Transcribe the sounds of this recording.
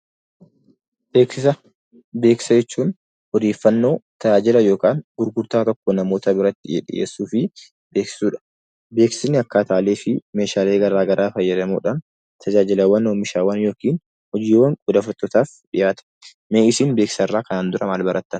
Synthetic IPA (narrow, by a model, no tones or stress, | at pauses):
beːksɪsɐ | be̞ːksɐd͡ʒɛt͡ʃːuːn | hɔd̪eːfːɐnːo̞ːt̪ɐd͡ʒaːd͡ʒɪlɐjo̞ːkaːnɡʊɾɡʊɾt̪aːt̪ɔkːonɐmo̞ːt̪ɐbɪɾɐt̪ːɪɛ̰ᶑɪ̰jḛːsːuːfɪ | beːksɪ̥suːᶑɐ̥ | be̞ːksɪnːɪɐkːaːt̪aːleːfɪme̞ːʃaːle̞ːɡɐɾaːɡɐɾʔaːfɐjːɛɾɐmo̰ːᶑaːn | t̪ʰɐd͡ʒaːd͡ʒɪlɐwɐnoːmɪʃaːwɐnjo̞ːkiːn | hɔd͡ʒiːwɐŋkʼʊd̪ɐfʊɾt̪ːɔt̪aːfᶑɪjʔaːt̪ɐ̥ | meːɪsiːnbeːkɪ̥sɐrːaːkɐnaːnd̪ʊɾɐmaːlbɐɾʔɐt̪ːɐn